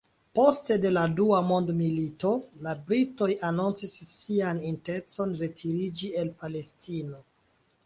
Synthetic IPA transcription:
po̞ste̞de̞laduamo̞ndmilito̞labɾito̞janunt͡sisːianinte̞t͡so̞nɾe̞tʰiɾid͡ʒie̞lpale̞stino̞

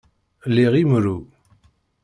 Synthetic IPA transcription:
liʁimɾu

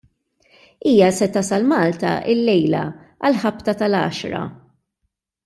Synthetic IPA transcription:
iːjɐsɛt̪ɐsɐlmɐːlt̪ɐ̰ʔɪlːɛjlɐ̰ | ʔɐlħɐpt̪ɐt̪ɐlɐ̰ːʃɾɐ̰

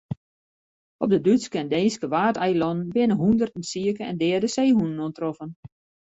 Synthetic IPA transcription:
ɔp̚dədytskɛnədeːskəʋaːtɛjlɔnənbɪnəɦundərtn̩siəkəɛ̰ndɛːrdəseːɦunənoəntrɔfən

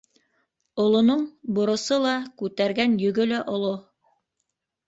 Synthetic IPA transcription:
ŏlˠŏnoɴbŏɾŏsɤlˠɑkʉt̪æɾɡænjɵ̆ɡɵlæʔŏlˠo

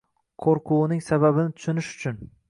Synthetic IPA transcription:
qʰoɾqʰʊnɪŋsababɪnɪt̪ʰʊ̥ʃʊnɪʃʊ̥t͡ʃʰʊn

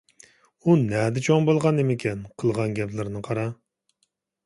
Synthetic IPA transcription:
unɛd̪ɪt͡ʃʰoŋbolˠʁɑnemɪkʲʰɛnqʰəlˠʁɑnɡʲɛpʰlɪɾnɨqʰɑɾɑ

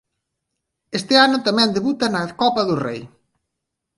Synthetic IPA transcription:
est̪ɪanʊt̪amɛ̃nd̪eβut̪ɐnɐkɔpɐðʊrḛj

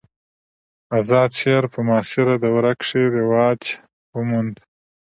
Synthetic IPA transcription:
azɑːd̪ʃeɾpəmɑːsɪɾad̪əwɾakʂeɾewɑːt͡ʃ | wəmund̪

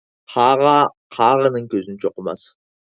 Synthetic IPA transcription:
qʰɑʁɑ | qʰɑʁənəɴkʲʰɵzɪnt͡ʃʰoqəmɑ̰s

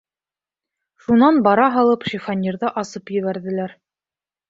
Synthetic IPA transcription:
ʃunɑnbɑɾɑɦɑlˠɤpʃifɑnʲiɾðɤʔɑsɤpjɵ̆βæɾðɘ̆læɾ

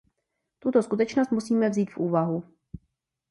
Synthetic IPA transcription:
t̪ut̪o̞skut̪ɛt͡ʃnost̪musiːmɛvziːt̪fʔuːvaɦu

